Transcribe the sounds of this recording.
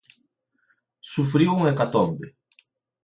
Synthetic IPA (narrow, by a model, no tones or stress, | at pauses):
sufɾiuŋekat̪ɔmbe